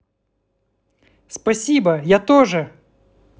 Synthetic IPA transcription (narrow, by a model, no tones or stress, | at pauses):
spɐsʲibɐjat̪oʐɨ